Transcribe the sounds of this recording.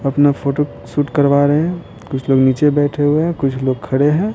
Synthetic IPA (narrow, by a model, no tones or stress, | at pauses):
ɐpnapʰoːʈo | suːʈkɐɾʋaːɾeɦɛ̃ | kʊt͡ʃʰloːɡniːt͡ʃebɛːʈʰeɦʊeɦɛ̃kʊt͡ʃʰloːɡ̚kʰɐɽeɦɛ̃ː